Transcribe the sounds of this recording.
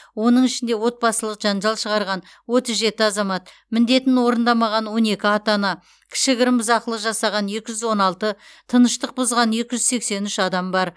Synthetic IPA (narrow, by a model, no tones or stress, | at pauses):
wo̞nəɴɪʃɪnd̪e̞wo̞t̪̚bɑsəlˠəqʒ̥ɑnʒɑlˠʃəʁɑɾʁɑn | wo̞t̪əzʒe̞t̪ɪɑzɑmɑt̪̚ | mɪnd̪e̞t̪ɪnwo̞ɾənd̪ɑmɑʁɑnwo̞ne̞kʲɪɑt̪ɑnɑ | kʲʰɪ̥ʃɪɡʲɪɾɪmbɪzɑqəlˠəʒɑsɑʁɑnje̞kʲɪʒʏzwo̞nɑlˠt̪ət̪ʰənəʃt̪əq̚bʊzʁɑnje̞kʲɪʒʏzse̞kse̞nʏʃɑd̪ɑmbɑɾ